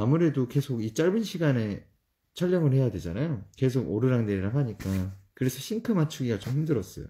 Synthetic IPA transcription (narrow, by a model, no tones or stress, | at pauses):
amuɾe̞doke̞sʰoɡit͡ɕ͈aɭbɯnɕʰiɡane̞ | t͡ɕʰʌʎːʌŋɯɭhe̞jadwe̞d͡ʑanajoke̞s̬ʰoɡoɾɯɾaŋneɾiɾaɦaɲik͈akɯɾe̞sʰʌɕʰiŋkʰɯmat͡ɕʰuɡiɡat͡ɕomhimdɯɾʌs͈ʌjo̰